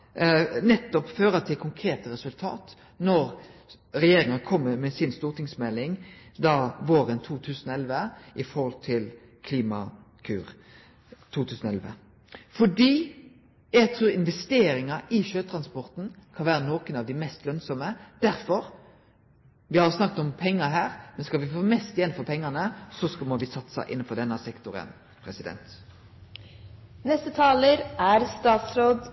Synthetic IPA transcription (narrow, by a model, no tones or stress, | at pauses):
nɛt̪ːɔpføːɾət̪ʰɪlkʰʊŋkʰɾeːt̪əɾɛsʉlt̪ʰɑ̰ːt̪ | nɔɾ | ʁɛjeːɾɪŋɑnəkʰɔmːəɾmɛːsɪnst̪uːʁt̪ɪŋsmɛlːɪŋd̪ɑʋoːɾənt̪ʰuːt̪ʰʉːsənɔɛlʋəʔɪfɔɾhɔlt̪ʰɪl | kʰliːmɑ̰ | kʰʉːɾ | t̪ʰuːt̪ʰʉːsnɔɛ̰lʋə̰ | fɔɖiː | jɛɡt̪ʰɾʉːɾɪnʋɛst̪eːɾɪŋɑʔɪʃøːt̪ʰɾɑnspɔʁt̪n̩kʰɑnʋæːɾənoːkənɑʋd̪ɪmɛst̪lœnsɔməd̪̥æɾfɔɾ | ʋɪhɑɾsnɑkːət̪ɔmpʰɛŋːəɦæːʁmɛnskɑlʋɪfoːmɛst̪jɛnfɔpʰɛŋːɑnəsɔskmɔʋɪsɑt̪sɑ̰ʔɪnːnfɔd̪ɛnːɑsɛkt̪ʊɾə̰n | pʰɾɛsɪd̪ɛ̰nt̪ | nɛst̪ət̪ʰɑːləɾæɾst̪ɑːt̪sɾoːd̪